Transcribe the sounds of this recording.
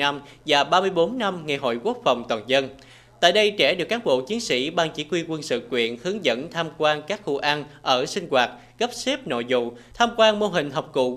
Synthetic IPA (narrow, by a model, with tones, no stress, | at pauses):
a˧mvaː˨˩ɓaː˧mɨ˧əjɓo˨˦nːa˧mŋe˨˩ɦo̰˧˨jku˦˥ək̚fa˨˩wŋ͡mt̪waː˨˩nzə˧n | t̪a̰ː˧˨jɗə˧jt͡ɕɛ˧˩ɗɨ˨˩əkːa˨˦˥n̚ɓo̰˧˨t͡ɕi˨˦ənsḭ˧˥ɓaː˨˩ŋt͡ɕi˧˩˥kwi˧kwə˧nsɨ̰˧˨kwḭ˧˨ənhɨ˨˦əŋzə̰˧˥nt̪ʰaː˧mkwaː˧nkaː˦˥k̚xṵ˧ʔa˧nʔəː˧˩sï˧ŋ̟ɣwaː˨˩t̚ | ɣə˦˥p̚se˦˥p̚no̰˧˨zʊ̰˧˨t̪ʰaː˧mkwaː˧nmo˧ɦï˨˩ŋ̟ɦɔ˨˩wk͡p̚kṵ˧˨